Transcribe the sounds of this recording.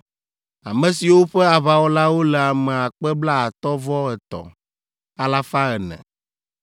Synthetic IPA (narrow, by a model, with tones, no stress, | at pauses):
a̰˨mɛ̃˨si˨wo˦ɸɛ˦a˨βa˨wɔ˦la˦wo˦lɛ˨a˨mɛ˨a˨k͡pɛ˦bla˦a˨t̪ɔ˦vɔ˦ɛ˨t̪ɔ̰˨ | a˨la˦fa˦ɛ˨nɛ̰̃˨